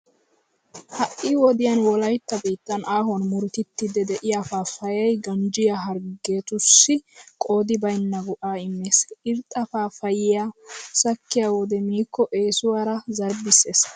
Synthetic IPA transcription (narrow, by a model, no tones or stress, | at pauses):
hɐʔɪwɔd̪ɪjanwɔlɐjt̪ːɐbiːt̪ːɐnʔaːɦɔnmʊɾt̪ɪt̪ːɪd̪ɛd̪ɛʔɪjafaːfɐjɛjɡɐnd͡ʒɪjaɦɐɾɡe̞ːt̪ʊsːɪkʼo̞ːd̪ɪbɐjnːɐɡʊʔaːɪmːeːsɪɾt̪ʼːɐfaːfɐjɪjasɐkːɪjaːwɔd̪ɛmiːkːɔʔe̞ːsʊwaːɾɐzɐɾbɪse̞ːs